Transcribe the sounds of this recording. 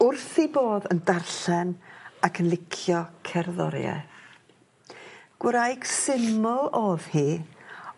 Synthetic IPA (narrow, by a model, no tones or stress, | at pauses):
ʊrθiboːðəndarɬɛnakʰənlˠɪkʰjɔkʰɛrðɔ̰ɾja̰θ | ɡ̥wəɾajɡ̥sɪmɔlˠoːðhiː